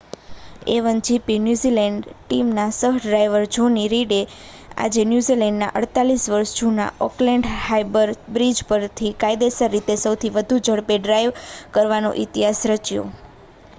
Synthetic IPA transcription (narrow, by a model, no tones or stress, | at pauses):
eʋənd͡ʒipinjuzilɛɳɖʈimnasəɦɖɾajʋəɾd͡ʒʱoniɾiɽe | a̰d͡ʒenjuzilɛ̃ɳɖna̰ʔəɽt̪alisʋəɾʃd͡ʒuna̰ɔklɛɳɖhajbəɾbɾid͡ʒpəɾt̪ʰikajd̪esəɾːit̪esəwt̪ʰiʋəd̪ʱũd͡ʒʱəɽpeɖɾajʋkəɾʋano̰ʔit̪iɦasɾət͡ʃjo̰